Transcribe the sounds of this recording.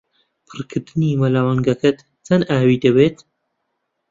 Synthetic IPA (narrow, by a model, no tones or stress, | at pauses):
pʰɨrkʰɨɾd̪ɨniːmɐlaːwɐŋɡɐkɐt̪ | t͡sɐnaːwiːd̪ɐbeːt̪